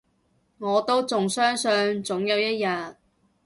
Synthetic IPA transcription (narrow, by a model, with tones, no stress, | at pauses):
ŋɔː˨˧t̪o˥wt͡sʊ˨ŋsœː˥ŋsœ˧nt͡sʊ˨˥ŋjɐ˨˧wjɐ˥t̚jɐ˨t̚